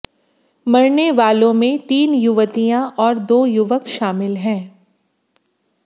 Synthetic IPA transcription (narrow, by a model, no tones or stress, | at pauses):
mɐɾneʋaːlõmẽt̪iːnjʊʋət̪ijãʔɔːɾd̪oːjʊʋəkʃaːmɪlɦɛ̃ː